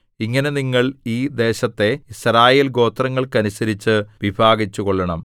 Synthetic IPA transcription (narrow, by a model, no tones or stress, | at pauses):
iŋːɐne̞niŋːɐɭiːd̪e̞ːɕɐt̪ːe̞isɾaːjelɡo̞ːt̪rɐŋːɐɭkɐnusɐɾit͡ɕːɨʋibʱaːɡit͡ɕːuɣoɭːɐɳɐm